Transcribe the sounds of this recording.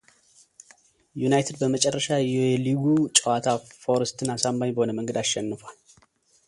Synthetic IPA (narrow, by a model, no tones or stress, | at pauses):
junajt̪ʰed̪̚bəmət͡ʃʼɛrːəʃajɛɛliɡut͡ʃʼəwat̪ʰafo̞ɾəst̪ʰɨnasambaɲbəho̞nəməŋɡəd̪aʃʃɛnːɨfoal